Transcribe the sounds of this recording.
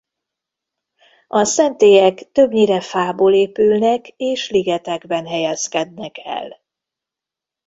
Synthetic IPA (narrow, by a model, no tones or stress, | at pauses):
ʔɒsɛnt̪eːjɛkt̪ø̞bɲiɾɛfaːboːleːpylnɛkeːʃliɡɛt̪ɛɡbɛnɦɛjɛskɛd̪nɛkɛ̰l